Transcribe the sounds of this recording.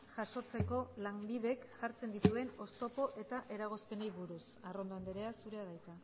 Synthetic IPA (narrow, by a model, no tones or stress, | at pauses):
ʝaʃo̞t͡se̞ko̞laŋbiðe̞kʝaɾt͡se̞nd̪it̪ue̞no̞st̪o̞po̞ʔe̞t̪aʔe̞ɾaɣ̞o̞spe̞nejβuɾusaro̞nd̪oand̪eɾe̞asuɾe̞aðajt̪a